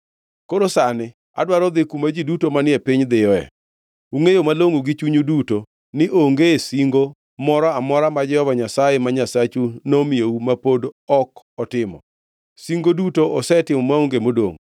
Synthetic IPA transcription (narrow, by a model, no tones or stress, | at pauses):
koɾosanɪ | a̰dwaɾɔd̪ɪkumad͡ʒidutomanɪɛpiɲd̪ɪjɔɛ̰ | uŋejomaloŋuɡit͡ʃuɲuduto | nɪʔoŋɡesiŋɡo | mɔɾɔamɔɾamad͡ʒɛhɔvaɲasajemaɲasat͡ʃunomijeumapodɔk | ɔtɪmɔ̰ | siŋɡodutoʔɔsɛtɪmɔmauŋɡemodo̰ŋ